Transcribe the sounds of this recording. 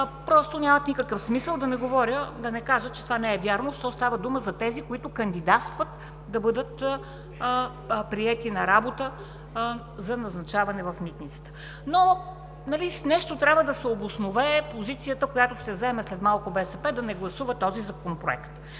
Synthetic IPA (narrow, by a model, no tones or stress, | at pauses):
pɾɔst̪onʲamɐt̪nikəkəfsmisəlˠd̪ɐnɛɡovɔɾʲjəd̪ɐnɛkaʒət̪t͡ʃɛ̥t̪ovanɛɛvʲjaɾnoʃt̪ɔst̪avəd̪uməzɐt̪ɛzikoit̪ʊkɐnd̪id̪at̪st̪vət̪ | d̪ɐbɤd̪ət̪ | pɾiɛt̪inɐɾabot̪ə | zɐnɐznɐt͡ʃavɐnɛvɐfmit̪nit̪sə̥t̪ə̥ | no | nɐlisnɛʃt̪ot̪ɾʲabvəd̪ɐsɛobʊsnovɛpozit̪sijət̪əkojat̪ʊʃt̪ɛzɛmɛslɛt̪malˠkʊbɛsɛpɛd̪ɐnɛɡlˠɐsuvɐt̪ɔzizɐkonopɾoɛ̰kt̪